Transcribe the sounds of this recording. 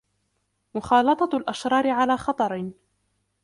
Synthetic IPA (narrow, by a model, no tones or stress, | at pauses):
mʊxɑːlɑt̪ˤɑlʔaʃɾˤɑːɾɪʕalaːxɑt̪ˤɑɾˤ